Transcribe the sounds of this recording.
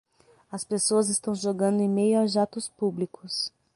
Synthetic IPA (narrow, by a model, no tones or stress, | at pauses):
ɐspesoɐzɪst̪ɐ̃w̃ʒoɡɐ̃nd̪ʊẽj̃mejʊaʒat̪ʊspublikʊs